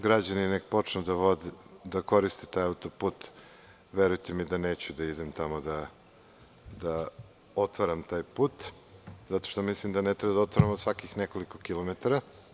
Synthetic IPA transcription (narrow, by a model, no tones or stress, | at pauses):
ɡɾad͡ʑaninekpo̞t͡ʂnud̪aʋod̪d̪ako̞ɾist̪it̪aːjaut̪opuːt̪ | ʋeɾujt̪emid̪ane̞ːt͡ɕud̪aid̪emt̪amod̪a | d̪a | ot̪ʋaɾamt̪aːjpuːt̪ | zat̪o̥ʃt̪omislimd̪anet̪ɾebad̪aot̪ʋaɾamosʋakixneko̞liko̞kilomet̪aɾa